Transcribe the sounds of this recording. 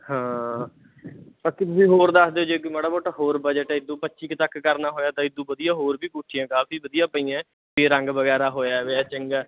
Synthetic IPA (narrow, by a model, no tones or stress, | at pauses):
hãː | paːkːɪt̪ʊsĩːɦoːɾd̪əsd̪eːoːd͡ʒeːkiməɽaːboːʈaːɦoːɾbəd͡ʒəʈɛːɪd̪ːũːpətːʃiːkt̪əkːəɾnaːɦoːjaːt̪ãːɪd̪ũːbəd̪ijãːɦoːɾbiːkuːʈʰːijãːkaːfiːʋəd̪ijãːpəiːãː | peːɾə̃ŋɡʋəɡɛːɾaːɦoːjaːʋet͡ʃəŋɡaː